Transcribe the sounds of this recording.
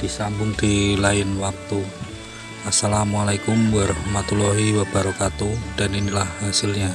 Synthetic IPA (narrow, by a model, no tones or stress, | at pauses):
d̥isambʊŋd̪̥ilaɪnwak̚t̪u | asalamualajkʊmwarmat̪ulɔɦiwab̥aɾokat̪ud̥aninilahasɪlɲa